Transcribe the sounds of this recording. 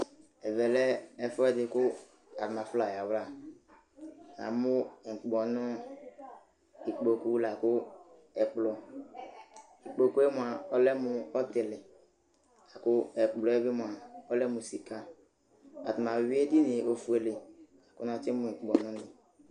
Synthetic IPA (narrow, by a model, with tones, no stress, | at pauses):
ɛ˨vɛ˨lɛ˦ɛ˦fɔ˦ɛ˦dɪ˨kʊ˦ | a˨tʊ˨ma˨fʊ˦la˨ja˨wla˨ | nã̰˨mʊ˦˨ŋ̩˨k͡pɡ͡bɔ˨nʊ̃˦ | i˨k͡po˨ku˦la˨kʊ˦ | ɛ˨k͡plɔ˨ | i˨k͡po˨ku˦e˦mʊ˨a˨ɔ˦lɛ˦mʊ˨ɔ˦tɪ˨lɪ˨ | a˨kʊ˦ɛ˨k͡plɔ˨˦ɛ˦bɪ˦mʊ˨a˨ɔ˦lɛ˦mʊ˨si˨ka˦ | a̰˨tʊ˨ma˨wi˦e˦dɪ˦nɪ˨o˨fu˨e˨lɪ˨ | a˨kʊ˦n˦a˨t͡ʃɪ˦mʊ̃˨ŋ̩˨k͡pɡ͡bɔ˨nʊ̃˦nɪ̃˨